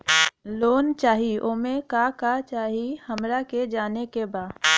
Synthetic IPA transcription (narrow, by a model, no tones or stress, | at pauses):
loːnt͡ʃaːɦiʔoːmẽkakat͡ʃaːɦihəmɾaked͡ʒaːnekebaːd